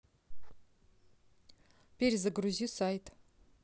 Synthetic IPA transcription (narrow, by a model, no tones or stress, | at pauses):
pʲeɾʲzəɡɾuzʲisajt̪